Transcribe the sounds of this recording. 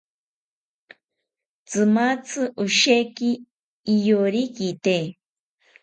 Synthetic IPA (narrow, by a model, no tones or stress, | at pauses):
t͡sɨmat͡sʰɨʔuʃekiː | joɾikit̪e